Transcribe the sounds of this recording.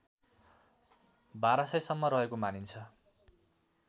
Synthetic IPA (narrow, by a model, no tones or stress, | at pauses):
baɾʌsʌjsʌmːʌɾʌɦekomanint͡sʰʌ